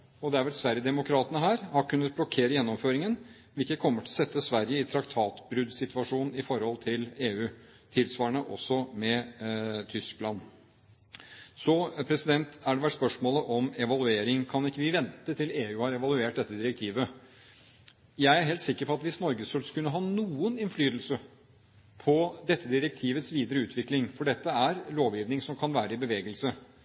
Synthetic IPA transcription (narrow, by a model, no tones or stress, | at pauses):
ɔd̪ɛæɾʋɛlsʋæɾjəd̪ɛmʊkʰɾɑːt̪ənəɦæːɾhɑɾkʰʉnːət̪̚blɔkʰeːɾəjɛnːɔmføːɾɪŋən | ʋɪlkəkʰɔmːəʈʰɪlɔsɛt̪ːəsʋæɾjəɪt̪ʰɾɑkt̪ʰɑːt̪bɾʉd̪sɪt̪ʋɑʂuːnn̩ɪfɔɾhɔlt̪ʰɪleːʉː | t̪ʰɪlsʋɑːəɳəʔɔ̰sːɔmɛ | t̪ʰʏsklɑn | sɔpʰɾɛsɪd̪ɛnt̪æɖɛʋæʈspœʂmoːləʔɔmɛʋɑlˠʉeːɾɪŋkʰɑnɪkːəʋɪʋɛnt̪ət̪ʰɪleːʉːhɑɾɛʋɑlʉeːʈ̚d̪ɛt̪ːəd̪ɪɾɛk̚t̪ʰiːʋə | jæɪæɾɦɛlt̪sɪkːəɾpɔɑt̪ʋɪsnɔɾɡəsfœlskʉnːəɦɑnuːənɪnflyːd̪əlsə | pʰɔd̪ɛt̪ʰːəd̪ɪɾək̚t̪ʰiːʋət̪sʋiːd̪əɾəʉːt̪ʰʋɪklɪŋfɔɖɛt̪ːəæɾloːʋjiːʋnɪŋsɔmkʰɑnʋæːɾəɪbəʋeːɡəlsə